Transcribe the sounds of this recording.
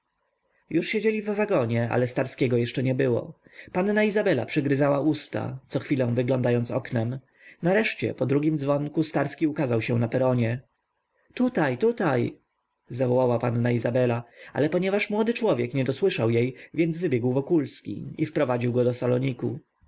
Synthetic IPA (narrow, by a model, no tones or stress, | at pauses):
juʂɕed͡ʑelʲivvaɡɔɲɛa̰lɛst̪aɾskʲɛɡɔjɛʂt͡ʂɛɲɛbɘwɔ̰panːaizabɛla̰pʂɘɡɾɘzawaʔust̪a̰t̪sɔxfʲilɛ̃w̃vɘɡlɔnd̪ajɔnt̪sɔ̰knɛm | naɾɛʂt͡ɕɛ̰pɔd̪ɾuɡʲimd̪zvɔŋkust̪aɾskʲiukazawɕɛ̃napɛɾɔɲɛ | t̪ut̪ajt̪ut̪aj | zavɔwawapanːaizabɛlaa̰lɛpɔɲɛvaʂmwɔd̪ɘt͡ʂwɔvʲjɛkɲɛd̪ɔswɘʂawjejvʲjɛnd̪zvɘbʲjɛɡwvɔkulskʲḭifpɾɔvad͡ʑiwɡɔd̪ɔsalɔɲikṵ